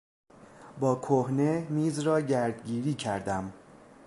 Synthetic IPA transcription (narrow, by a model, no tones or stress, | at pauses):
bɒːkʰohne̞miːzrɒːɟæɾd̪ɟiːɾiːcʰæɾd̪æm